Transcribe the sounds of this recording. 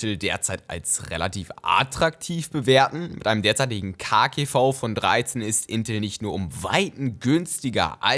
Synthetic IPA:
l̩deːɐt͡saɪta̰lsʁḛla̰tʰiːfʔa̰tʁ̥aktʰiːfb̥əveːɐtn̩mɪtʔaɪnəmdeːɐt͡saɪtɪɡŋ̩kʰaːkʰefaʊfɔndʁa̰ɪt͡senɪstʔɪntl̩nɪçtnuːɐʊmva̰ɪtn̩ɡʏnstɪɡɐ̰ʔa̰

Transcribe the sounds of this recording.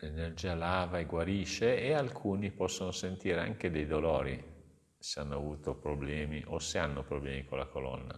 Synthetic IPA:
lenerd͡ʒiːalaːvaeɡwaɾiːʃeealkʰuːnipɔsːonosent̪iːɾea̰ŋk̟ed̪ejd̪olɔːɾi | seanːoavuːt̪opɾoblɛːmiʔoseanːopɾoblɛːmikolːakolɔ̰nːa̰

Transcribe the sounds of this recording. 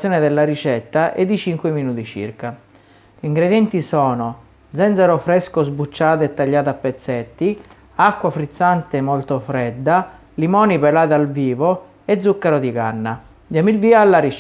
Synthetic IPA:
jɔːnɪd̪elːaɾit͡ʃɛt̪ːaʔɛ̰d̪ːit͡ʃiŋkwɪminuːt̪it͡ʃḭrka | liŋɡɾed̪jɛnt̪isɔːno | d̪zɛnd̪zɛɾofɾɛskozbut͡ʃːaːt̪ɛt̪ːaʎːaːt̪apːet̪sːɛt̪ːi | akːwafɾit̪sːant̪emːɔlt̪ofɾɛd̪ːa | limɔːnipɛlaːt̪alviːvo | ed̪zːukːɛɾod̪ikanːa | d̪iamilviːaːlːaɾi

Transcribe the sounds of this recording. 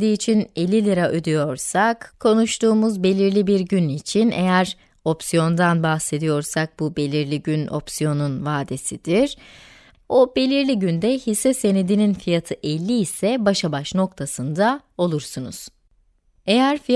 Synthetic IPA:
d̪iːt͡ʃʰine̞lʲːilʲiɾaʔød̪ijo̞ɾsakkʰo̞nuʃt̪ʰuːmuzbe̞lʲiɾlʲibiɾɟynit͡ʃʰinʔe̞̰jæɾ | o̞psijo̞nd̪anbaxse̞d̪ijo̞ɾsak̚bube̞lʲiɾlʲiɟynʔo̞̰psijo̞nunvaːd̪e̞sid̪iɾ̥ | obe̞lʲiɾlʲiɟynd̪ɛhisːɛse̞ned̪ininfijat̪ʰɯʔɛlʲːiːsɛbaʃabaʃno̞kt̪ʰasɯnd̪ao̞lˠuɾsunṵz̥ | e̞jæɾfi

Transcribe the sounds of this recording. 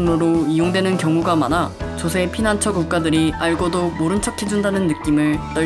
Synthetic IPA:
ŋnoɾoijoŋdwe̞nɯnkjʌŋuɡamanat͡ɕosʰe̞pʰinant͡ɕʰʌkuk͈̚adɯɾiʔaɭɡodomoɾɯnt͡ɕʰʌkʰid͡ʑundanɯnːɯk͈imɯɭt͈ʌ

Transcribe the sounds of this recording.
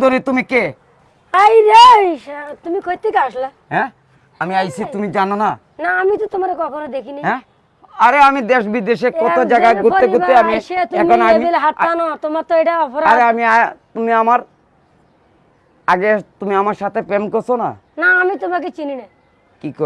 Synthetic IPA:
d̪oɾit̪umike | ajɾa | t̪umikʰojt̪ikaaʃla | ɦɛ̃ | amiajsʰit̪umid͡ʑanona | naːmit̪ɔt̪omaɾekɔkʰonod̪ekʰiniɛ̃ | aɾeamid̪eʃbid̪eʃekɔt̪od͡ʒaɡaɡut̪ːeɡueamiʃet̪uɛmonamielɦaanɔt̪omaɾt̪oejʈaɔpʰɔɾaaɾɾeamiat̪umiamaɾ | aɡet̪umiamaɾʃat̪ʰepemkɔɾsʰona̰ | naːmit̪omak̬et͡ʃinina | kikɔ

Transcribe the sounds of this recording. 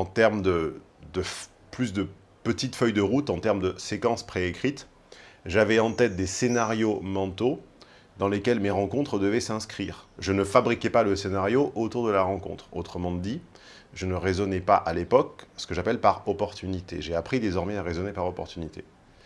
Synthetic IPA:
ɑ̃t̪ɛʁmd̪əd̪əf | plysd̪ə | pət̪it̪fœjd̪əʁut̪ɑ̃t̪ɛʁmd̪əsekɑ̃spχeːkχit̪ | ʒavɛɑ̃t̪ɛt̪̚d̪esenaʁjomɑ̃t̪o | d̪ɑ̃lekʲɛlmeʁɑ̃kɔ̃t̪χəd̪əvɛsɛ̃skχiʁʒənəfabʁikʲɛpaləsenaʁjoʔot̪uʁd̪əlaʁɑ̃kɔ̰̃t̪χo̰t̪χəmɑ̃d̪i | ʒənəʁezɔnɛpa̰ʔalepɔksə̥kəʒapɛlpaʁɔpɔʁt̪ynit̪eʒeapχid̪ezɔʁmɛaʁezɔnepaʁɔpɔʁt̪ynit̪ḛ

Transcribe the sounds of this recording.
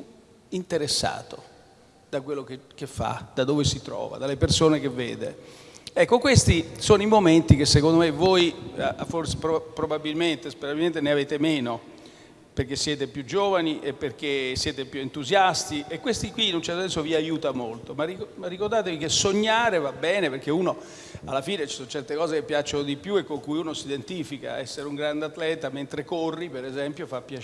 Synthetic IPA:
pju | int̪eɾesːa̰ːt̪o | d̪̥akwelːokekefːa̰d̪̥ad̪oːvesit̪ɾɔ̰ːva̰d̪alːepersoːnekevːḛːd̪ḛɛkːokwest̪isoːnoimoment̪ik̟esːekond̪omevojaforse̥pɾopɾobabilment̪espeɾabilment̪eneaveːt̪emeːno | perk̟esːjɛːt̪epjud͡ʒoːvaniʔepːerk̟esːjɛːt̪epjuent̪uzjast̪iʔekːwest̪ikwiːnunt͡ʃɛrt̪osɛnsoviajuːt̪amolt̪omaimarːikoɾd̪aːt̪evikesoɲːaːɾevabːɛːneperk̟euːno | alːafiːnet͡ʃi̥sont͡ʃɛrt̪ekɔːzekepːjat͡ʃːonod̪ipjuekːoŋkujuːnosid̪ent̪iːfika̰ɛsːeɾeuŋɡɾand̪eat̪lɛːt̪ament̪ɾekorːipeɾezɛmpjofapːja

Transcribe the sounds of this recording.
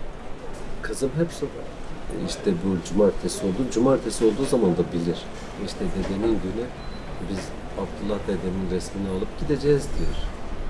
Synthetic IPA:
kʰɯzɯmɦɛpsol | iʃt̪ʰɛbud͡ʒumaɾt̪ʰesio̞lˠd̪ud͡ʒumaɾt̪ʰesio̞lˠd̪uːzamand̪abilʲiɾ̥ | iʃt̪ʰɛd̪ed̪eminɟyny | biz | aft̪ʰulˠːahd̪ed̪eminɾɛsmʲinialˠɯpɟ̥id̪e̞d͡ʒɛzd̪ijoɾ̥

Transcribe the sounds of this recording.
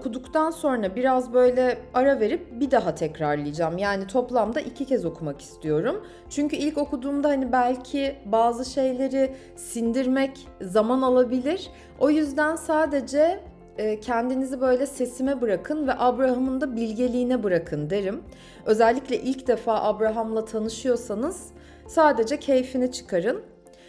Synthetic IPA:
okʰud̪ukt̪ʰanso̞nɾabiɾazbø̞jlʲɛaɾave̞ɾip̚bid̪aɦat̪ʰɛcɾaɾlˠɯjd͡ʒamjaːnit̪ʰo̞plˠamd̪aʔicʰicʰɛzo̞kʰumaki̥st̪ʰijo̞ɾum | t͡ʃʰyɲcyilʲco̞kud̪uːmd̪ahanibælʲcʰɪbaːzɯʃe̞jlʲe̞ɾɪ | sind̪iɾmɛc | zamanalˠabilʲiɾ̥ | o̞jyzd̪ænsaːd̪e̞d͡ʒɛː | cʰɛnd̪inizibø̞jlʲɛse̞simɛbɯɾakʰɯnvɛʔabɾahamɯnd̪abilʲɟelʲiːnɛbɯɾakʰɯnd̪e̞ɾim | ø̞zɛlʲːiclʲɛʔilʲcd̪efaːʔabɾaɦamlˠat̪ʰanɯʃɯjo̞sanɯz̥ | saːd̪e̞d͡ʒɛcʰe̞jfinɛt͡ʃʰɯ̥kʰaɾɯn

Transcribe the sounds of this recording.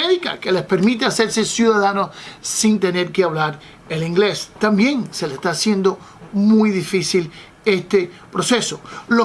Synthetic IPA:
eðika̰ke̞lespeɾmit̪̬ease̞ɾsesjuðaðanosint̪e̞ne̞ɾkeaβlaɾ | eliŋɡle̞st̪ambje̞ŋse̞lest̪aːsje̞nd̪o̞ | mujðifisil | e̞st̪epɾo̞se̞solo

